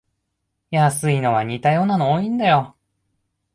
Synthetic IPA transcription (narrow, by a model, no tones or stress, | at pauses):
jasɨino̞βaɲ̟it̪ajo̞ːnanooːĩnd̪ajo̞